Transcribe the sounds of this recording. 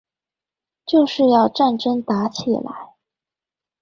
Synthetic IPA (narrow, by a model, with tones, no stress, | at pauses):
t͡ɕjo˥˧ʊʂɻ̩˥˧jɑ˥˧ʊʈ͡ʂa˥˩nʈ͡ʂɤ˥ŋt̪a˧˥t͡ɕʰḭ˨˩la̰˧˥ɪ